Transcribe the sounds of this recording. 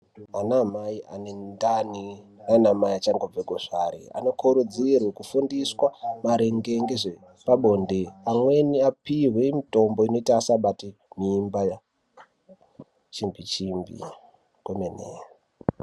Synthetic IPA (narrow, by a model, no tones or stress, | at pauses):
anamaiʔa̰nendaninanamajat͡ʃaŋɡob͡vekoʐ̥aɾḭa̰no̞kʰoɾud͡zirwekufundiswamaɾeŋɡeŋɡeʐe | paɓondeamwe̞niapiɦwe̞mito̞mbo̞ino̞itaːsaɓatiniːmbaja | t͡ʃimbit͡ʃimbḭ | komenḛ